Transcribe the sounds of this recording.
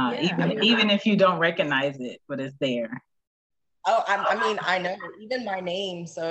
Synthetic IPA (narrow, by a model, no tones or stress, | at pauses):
ʌʔivɨ̃nivɨ̃nɨfjɨdõʊ̃nt̚ɹɛkɨɡ̚naɪzɪt̚b̥ʌɾɨts̬ðə˞ | oʊʔaɪaɪmĩna̰ɪnoʊivɨ̃nmaɪnẽɪ̃msoʊ